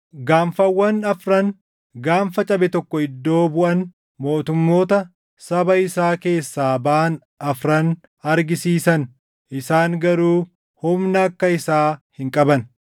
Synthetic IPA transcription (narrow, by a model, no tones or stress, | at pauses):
ɡaːɱfɐwːɐnɐfɾɐn | ɡaːɱfɐt͡ʃʼɐbɛt̪ɔkːɔɪd̪ːo̞ːbʊʔɐn | mo̞ːt̪ʊmːo̞ːt̪ɐ | sɐbɐɪsaːke̞ːsːaːbɐʔːn | ɐfɾɐn | ɐɾɡɪsiːsɐn | ʔɪsaːŋɡɐɾuː | hʊmnɐːkːɐɪsaːhɪŋkʼɐbɐn